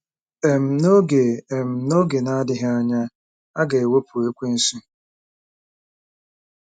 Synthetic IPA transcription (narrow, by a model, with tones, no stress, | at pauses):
e˨m̩˨no˦ɡe˨e˨m̩˨no˦ɡe˨na˦a˦dɪ˦ɦɪ˦a˦ɲa˦ | a˦ɡe˨e˨we˦pʰu˨e˦kʷe˦n̩˦su˦